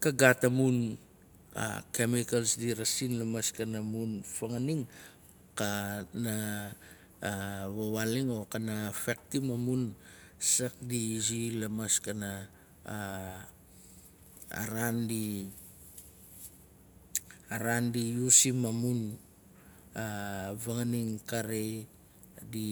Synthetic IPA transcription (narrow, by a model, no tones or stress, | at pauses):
kaɡatamun | a̰kemikalsdiɾasinlamaskanamunfaŋaniŋ | kana | βaβaliŋokanafek̚timamunsak̚diːd͡ʒilamaskana | ɾandi | aɾandijusimamun | avaŋaniŋkaɾe | di